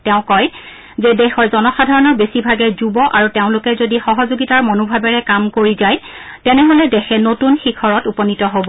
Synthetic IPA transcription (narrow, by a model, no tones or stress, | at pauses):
tɛʊ̃kɔj | zedɛxɔɹzɔnɔxadʱaɹɔnɔɹbesibʱaɡɛzubɔʔaɹuteʊ̃lʊkɛzodixɔɦɔzoɡitaɹmɔnubʱabɛɹɛkamkoɹizaj | tɛnɛɦolɛdɛxʰɛnotunxikʰɔɹɔtupɔnitɔɦobɔ